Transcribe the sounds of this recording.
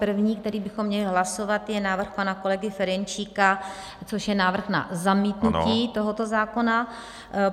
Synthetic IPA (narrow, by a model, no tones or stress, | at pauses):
r̩vɲiːk̚t̪ɛɾiːbɪxo̞mːɲɛlɪɦlaso̞vat̪jɛnaːvr̩xpanako̞lɛɡɪfɛɾɛnt͡ʃiːka | t͡soʃjɛnaːvr̩xna̰zamiːt̪nuiːt̪o̞ɦo̞t̪o̞zaːko̞na